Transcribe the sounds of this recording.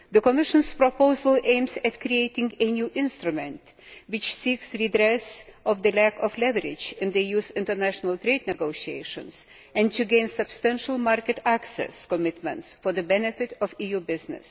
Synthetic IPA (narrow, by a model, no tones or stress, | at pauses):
ðəkɔmɪʃə̃nspɹɔpoʊzəlˠʔẽɪ̃mzætkɾieɪtɪ̃ŋɡenjuʔɪ̃nstɹumɛ̃nt | wɪt͡ʃsiksɹidɾɛsʔɔvðəlækɔflɛvəɾɪd͡ʒɨ̃nðejuzɪ̃ntə˞næʃənəlˠt̪ɾeɪdnɛɡoʊʃieɪʃə̰̃ns | ɛ̃ntɨɡẽɪ̃nsɨb̥stæ̃nʃəl̩ˠmɑɹkɨtæksɛ̰skɔmɪtmɛ̃ntsfɔ˞ðɨbɛnɨfɪtɔvijubɪznɨ̰s